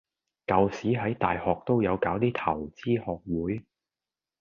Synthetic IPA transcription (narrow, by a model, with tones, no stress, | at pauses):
kɐ˨˧wsiː˨˥ɦɐ˨˥jt̪a̰ː˨jhɔː˨k̚t̪o˥wjɐ˨˧wkaː˨˥wt̪iː˥t̪ʰɐ̰˨˩wt͡siː˥hɔː˨k̚wuː˨˥j